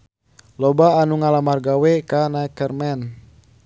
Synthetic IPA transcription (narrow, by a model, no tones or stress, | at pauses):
lɔbaːnuŋalamarɡawɛkanakərmɛn